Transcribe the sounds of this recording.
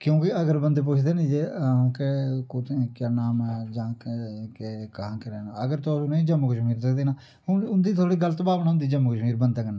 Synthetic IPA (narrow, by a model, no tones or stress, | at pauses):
kjõːkɪəɡəɾbənd̪eːp̬ʊt͡ʃʰd̪eːnĩd͡ʒẽːkekʊtʰkaːnaːmɛd͡ʒãːkːkekəɦãːkɪɾɛːnaəɡəɾt̪osuneːd͡ʒəmːkəʃmiːɾsəkd̪eːnaː | hʊnʊnd̪iːt̪ʰoːɽiːɡələt̪baːʋnaːʊnd̪iːd͡ʒəmːkəʃmiːɾbənd̪aːkənːaː